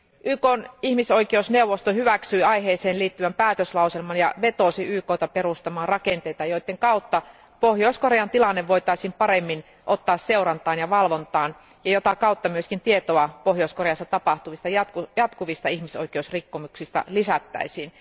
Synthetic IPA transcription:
ʔyːkoːnihmisoikeusneuwʋːˑost̪ohyʋæksyiɑiɦeːseːnliːt̪ːyʋæmpæːt̪øslɑuselmɑnjɑ̰ʋet̪osiyːkoːt̪ɑperust̪ɑmɑːrɑkent̪eit̪ɑjoit̪ːeŋkɑut̪ːɑ | pohjoiskoreɑnt̪ilɑnːeʋʋoit̪ɑisiːmpɑɾemːin | ʔot̪ːɑːsseurɑnt̪ɑːnjɑʋɑlʋont̪ɑːn | jɑjot̪ɑkɑut̪ːɑmyøskint̪iet̪oɑpohjoiskoreɑsːɑt̪ɑpɑht̪uʋist̪ɑjɑt̪kujɑt̪kuʋist̪ɑihmiso̰ikeusrikːomuksist̪ɑ̰lisæt̪ːæ̰isiːn

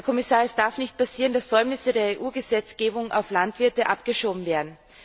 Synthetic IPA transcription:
ɐkʰɔmɪsaːɐɛsd̥aɐfnɪçt̚pasiːʁəndasz̥ɔʏmnɪsədeːɐeːʔuːɡəzɛt͡sɡ̥eːbʊŋʔa̰ʊflantv̥ɪɐtəʔapɡ̥əʃoːbm̩veːɐdn̩

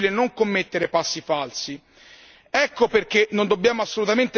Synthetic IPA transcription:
lenoŋkomːet̪ːeɾepasːifalsi | ɛkːoperk̟enond̪obːjaːmoasːolut̪ament̪e

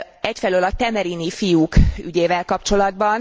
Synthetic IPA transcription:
ɛcfɛløːlɒt̪ɛmɛɾinifijuːkyɟeːvɛlkɒpt͡ʃo̞lɒd̪̚bɒn

